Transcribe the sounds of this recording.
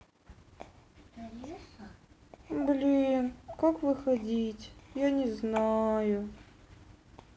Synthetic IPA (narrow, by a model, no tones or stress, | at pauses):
blʲinkakvɨxɐdʲitʲjanʲɪznajʊ